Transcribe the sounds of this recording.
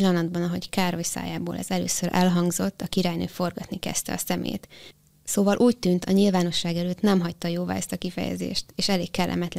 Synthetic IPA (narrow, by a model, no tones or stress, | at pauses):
lːɒnɒd̪̚bɒnɒɦo̞ckaːrojsa̰ːjaːbo̰ːlʔɛ̰zɛlø̰ːsøɾɛlɦɒŋɡzo̞t̪ːɒkiɾaːjnø̰ːfo̞rɡɒt̪nikɛ̰st̪ɛ̰ɒsɛmḛːt̪ | soːvɒlʔuːct̪yːnt̪ʰɒɲilvaːno̞ʃːaːɡɛløːt̪nɛmɦɒct̪ɒjoːva̰ːɛst̪ɒkifɛ̰jɛ̰zḛːʃt̪eːʃɛleːkkɛlːɛ̰mɛt̪l